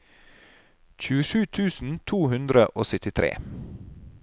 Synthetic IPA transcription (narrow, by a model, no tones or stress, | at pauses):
çʉːəʃʉːt̪ʰʉːsn̩t̪ʰuːhʉnd̪ɾəʔoːsʏt̪ɪt̪ʰɾḛː